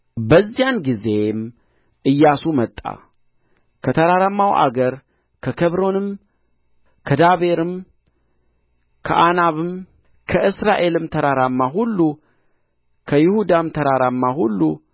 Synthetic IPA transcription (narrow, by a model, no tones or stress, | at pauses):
bəzːijanɡize̞m | ʔɨjːasumət̪ʼːa̰ | kʰət̪ʰəɾaɾamːawʔa̰ɡəɾ | kʰəkʰəβɾo̞nɨm | kʰəd̪aβe̞ɾɨm | kʰəʔanaβɨm | kʰəʔɨsɾaʔe̞lɨmt̪ʰəɾaɾamːaɦulːu | kʰəjɪhud̪amt̪ʰəɾaɾamːaɦulːu